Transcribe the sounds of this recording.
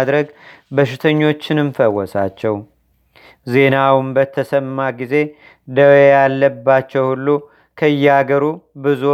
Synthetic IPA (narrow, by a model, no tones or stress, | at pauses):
d̪ɾəɡ | bəʃɪt̪ʰəɲːo̞t͡ʃːɨnɨnfəwːɔsa̰t͡ʃːɛw | ze̞nawnbət̪ʰəsəmːaɡize̞ | d̪əwejalːəbːat͡ʃːɛwhulːu | kʰəɨjːɛaɡəɾubɨzu